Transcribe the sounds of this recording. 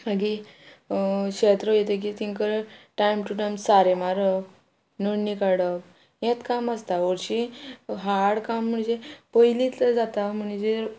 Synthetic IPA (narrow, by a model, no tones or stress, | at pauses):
baɡi | kɕet̪ɾəjet̪ek̬it̪iŋkəɾʈajmʈuʈajmsaɾemaɾək | nəɽnikaɽək̚ | jẽt̪kaməst̪aəɾɕiɦaɽkam̤ːəɳd͡ʑepəjlit̪d͡zat̪am̤əɳ̃d͡ʑeɾ